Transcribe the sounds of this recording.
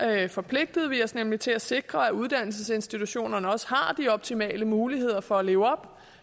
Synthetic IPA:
fɒ̽pʰle̝ɡ̥̚d̥ð̞̩ˠʋiɒsnemlit͡sʰe̝læse̝ɡ̥ʁɐæuð̞ˠd̥æn̰l̩s̬əse̝nsd̥it͡sʰuɕo̝̰ːnɐnəɒ̽shɑ̈d̥iɒ̽b̥̚t͡sʰimɛ̰ːləmuːliɦe̝ð̞̰ˠɐfɒ̽æle̝ːʊɒ̽b̥

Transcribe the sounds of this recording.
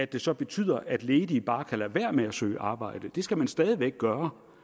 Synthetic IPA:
æd̥e̝sɒ̽b̥e̝t͡sʰy̰ð̞̰ˠɐʔæd̥leːdib̥ɑ̈ːkʰælæʋæɐ̰meæsø̰ːɪʔɑ̈ːb̥ɑ̈ɪ̰d̥əd̥e̝sɡ̥æmænsd̥ɛːð̞ˠiʋeɡ̥̚ɡ̥ɶːɐ

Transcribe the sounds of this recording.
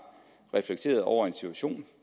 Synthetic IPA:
ʁɛfleɡ̥t͡sʰe̝̰ːɐðˠɒʊ̰ɐe̝nsit͡sʰuæɕo̝̰ːn

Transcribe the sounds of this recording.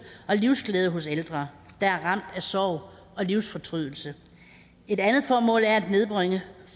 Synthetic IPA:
ɒ̽liʊsɡ̥lɛːð̞ˠəɦoseld̥ʁɐd̥ɑ̈æɐʁɑ̈m̰d̥æsɒːʊ̰ | ɒ̽liʊ̰sfɒ̽t͡sʰʁyð̰ˠl̩sə | e̝ɾænð̞̩ˠfɒːmɔ̰̽ːlæɐæd̥ne̝ð̞ˠb̥ʁeŋə

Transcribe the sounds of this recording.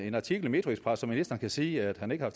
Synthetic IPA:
e̝nɑ̈t͡sʰiɡ̥l̩me̝d̥ʁiɡspʰʁɑsːɒ̽mːinisd̥ɐnkʰæsiːæd̥hæne̝ɡ̥əhɑ̈f

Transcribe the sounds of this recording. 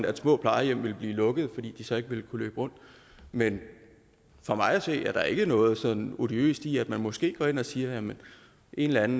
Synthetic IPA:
d̥æɐsmɔ̰ːpʰlɑ̈ɪɐjem̰ʋe̝lb̥liːlɔ̽ɡ̥əð̞̩ˠfɒd̥ḭːd̥isɒ̽e̝ɡ̥əʋe̝lkʰulø̰ːb̥əʁɔ̽n̰d̥ | men | fɒ̽mɑ̈ɪæse̝̰ːæɐɾ̥ɑ̈e̝ɡ̥ənɔ̽ːð̞̩ˠsɒ̥̽n̩o̝d̥iø̰ːsd̥iæd̥mænmɒ̽sɡ̥e̝̰ːɡ̥ɒ̰ːe̝nɒ̽siːɐjæmən | ʔe̝nlænn̩

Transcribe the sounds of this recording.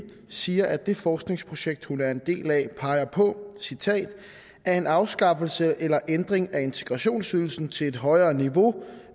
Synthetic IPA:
siːɐʔæd̥e̝fɒːsɡ̥ne̝ŋspʰʁo̝ɕeɡ̥̚d̥hunæɐe̝nd̥e̝̰ːlɛpʰɑ̈ɪɐpʰɒ̽sit͡sʰɛ̰ːd̥ | æɐe̝nɑ̈ʊsɡ̥ɑ̈fl̩səʔelɐʔend̥ʁeŋæe̝nt͡sʰe̝ɡ̥ʁɑ̈ɕo̝̰ːnsyðˠl̩sn̩t͡sʰe̝le̝d̥ɦɒ̽ɪɐːniʋo̝

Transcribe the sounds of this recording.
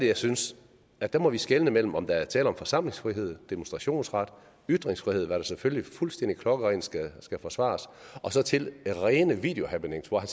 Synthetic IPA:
d̥ejɑ̈ɪsyns | æd̥æmɒ̽ʋisɡ̥elnəmel̰m̩ɒ̽md̥ɑæɐt͡sʰɛ̰ːləɒ̽mfɒ̽sɑ̈m̰le̝ŋsfʁiɦe̝ð̞̰ˠd̥e̝monsd̥ʁɑ̈ɕo̝̰ːnsʁɑ̈d̥ | yd̥ʁeŋsfʁihe̝ð̞̰ˠʋæɐɾ̥æseføljlifulsd̥en̰d̥ikʰlɒ̽ɡ̥əʁensɡ̥æsɡ̥æfɒ̽sʋɑ̰̈ːsʔɒ̽sɒ̽t͡sʰe̝lʁɛːnəʋḭːd̥e̝o̝hæb̥eneŋ̰sʋɒhæn

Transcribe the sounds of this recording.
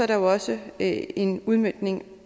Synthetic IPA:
ɒɐɾɑjoɒ̽səe̝nuð̞ˠmød̥ne̝ŋ

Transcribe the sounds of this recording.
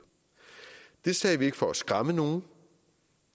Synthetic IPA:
d̥e̝sɛ̰ːʋie̝ɡ̥fɒ̽æsɡ̥ʁɑ̈məno̝ː

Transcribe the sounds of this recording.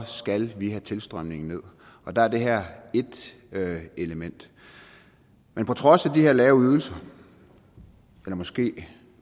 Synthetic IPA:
sɡ̥ælʋiɦæt͡sʰe̝lsd̥ʁɶmne̝ŋn̩ne̝ð̞̰ˠ | ɒ̽d̥ɑ̈æɐd̥e̝ɦeɐ̰e̝d̥ | e̝ləmen̰d̥ | menpʰɒ̽t͡sʰʁɒ̽sæd̥iheɐ̰lɛːʊyð̞ˠl̩sɐ | elɐmɒ̽sɡ̥e̝̰ː

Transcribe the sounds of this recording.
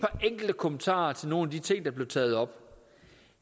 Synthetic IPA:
pʰɑ̈ʔeŋ̰ɡ̥l̩d̥əkʰomənt͡sʰɑ̰̈ːɐt͡sʰe̝lno̝ːnæd̥it͡sʰe̝ŋ̰d̥ɑ̈b̥le̝ʊt͡sʰɛ̰ːð̩ˠɒ̽b̥

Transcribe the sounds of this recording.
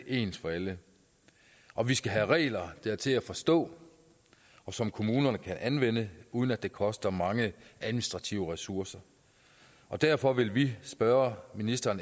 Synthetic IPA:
e̝ːnsfɒ̽ælə | ʔɒ̽ʋisɡ̥æɦæʁɛ̰ːlɐd̥eɐt͡sʰe̝læfɒ̽sd̥ɔ̰̽ː | ɒ̽sɒ̽mkʰo̝muːnɐnəkʰænʔænʋen̰əuːðˠən̩æd̥e̝kʰɒ̽sd̥ɐmɑ̈ŋəʔæðˠminisd̥ʁɑ̈t͡sʰiʊəʁɛsuɐsɐ | ʔɒ̽d̥æɐfɒ̽ʋe̝lʋisb̥ɶːɐminisd̥ɐːn

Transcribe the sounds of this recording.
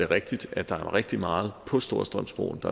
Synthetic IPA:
eʁeɡ̥̚d̥id̥æ̥d̥ɑ̈æɐʁeɡ̥̚d̥imɑ̈ːð̞̩ˠpʰɒ̽sd̥o̝ɐsd̥ʁœm̰sb̥ʁo̰ːn̩d̥ɑ

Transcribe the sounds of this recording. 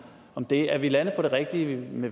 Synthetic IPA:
ɒ̽md̥e̝æɐʋilænð̩ˠpʰɒ̽ɾ̥e̝ʁɛɡ̥̚d̥iəme

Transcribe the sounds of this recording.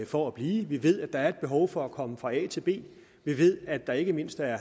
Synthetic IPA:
fɒæb̥liːʋiʋe̝ð̞̰ˠæd̥ɑ̈æɐe̝d̥̚b̥e̝ɦɒʊfɒ̽ækʰɒ̽məfʁɑ̈ɛ̰ːt͡sʰe̝b̥e̝̰ː | ʋiʋe̝ð̞̰ˠæd̥ɑ̈e̝ɡ̥əme̝n̰sd̥æɐ

